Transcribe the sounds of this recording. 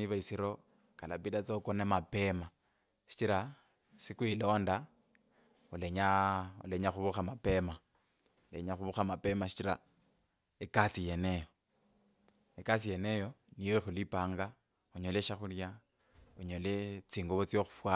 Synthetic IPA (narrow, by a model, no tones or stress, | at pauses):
iβaisiɾo̞ | kalapidat͡sokonemape̞ma | ʃi̥t͡ʃiɾa | sikwilo̞ːnda | uleɲaṵleɲaxuβuxamape̞ma | ulḛɲaxuβuxamape̞maʃi̥t͡ʃiɾa̰ | ekasijenejo | ekas̬ije̞nejo̞nijoixulipaːŋɡa | uɲoleʃaxulja | uɲolet͡siːŋɡoβot͡sjoxu̥fwa